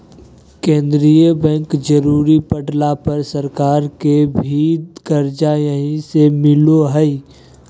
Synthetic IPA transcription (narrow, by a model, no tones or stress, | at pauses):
kẽːnd̪ɾijəbɛ̃ŋkd͡ʒəɾuːɾipəɖlapəɾsəɾkaːɾkebʱiːd̪kəɾd͡ʒajəɦĩsemɪloɦɛi